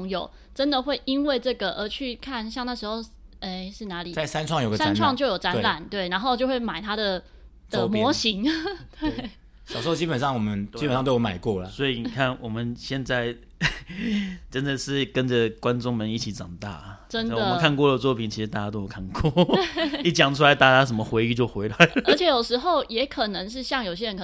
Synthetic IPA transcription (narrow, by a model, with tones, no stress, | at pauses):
ŋjo˨˩ʊ | ʈ͡ʂə˦nd̪ə˨xwe˥˩ɪi˦nwe˥˧ɪʈ͡ʂɤ˥˩ɡə˩ʔə˧˥t͡ɕʰy˥˩kʰa˥˨nɕjɑ˥˧ŋna˥˩ʂɻ̩˧˥xo˥˧ʊe˧˥ɪʂɻ̩˥˩na˧˥li˨˩a˥˩ɪsa˥˦nʈ͡ʂʰwɑ˥˨ŋjo˨˩ɡəsnʈ͡ʂʰwɑ˥˧ŋt͡ɕjo˥˩ʊjo˨˩ʈ͡ʂa˥nla˨˩nt̪we˥˩ɪna˧˥nxo˥˧ʊt͡ɕjo˥˧ʊxwe˥˩ɪma˨˩ɪt̪ʰa˥d̪ə˨ | d̥̪ə˨˧mwɔ˧˦˥ɕi˧˥ŋt̪we˥˩ɪ | ɕʊʂo˥˧˩t͡ɕi˥pə˨nʂɑ˥˩ŋwɔ˨˩mə˦nt͡ɕi˥pnʂɑ˥˧t̪wma˨˩ɪkwɔ˥˩lɐ˨sɔ˧˥i˨ni˩kʰa˥˩nwɔ˨˩mə˦nɕjɛ˥˧nt͡sa˥˩ɪ | ʈ͡ʂə˦nd̪ə˨ʂɻ̩˥˩kə˦nd͡zə˨kwa˦nʈ͡ʂʊ˥ŋmə˧˦ni˥˩t͡ɕʰi˨˥ʈ͡ʂɑ˨˩ŋt̪a̰˥˩ʈ͡ʂə˦n˥˨d̪ə˨mə˧kʰa˥˧nkwɔ˥˩lə˨t͡swɔ˥˩pʰi˨˩nt͡ɕʰi˧ʂ̩˧t̪a˥˩t͡ɕja˥t̪o˥jo˨˩kʰa˥˩nkwɔ˥˩i˥˩t͡ɕjɑ˨˩ŋʈ͡ʂʰu˥a˧˥ɪt̪a˥˩aa˥ʂə˧˩mə˨xwe˧˥ɪy˥˧t͡ɕjo˥˩ʊxwe˧˥ɪla˧˩ɪlə˩ə˞˧˥t͡ɕʰjɛ˨˥jo˨˩ʂɻ̩˧˥xo˥˩ʊjɛ˧˥kʰɤ˨˩nə˧˦ŋʂ̬ɻ̩˥˧ɕjɑ˥˩ŋjo˨˩ʊɕ̬jɛ˥ə˧˦nkʰə˨˩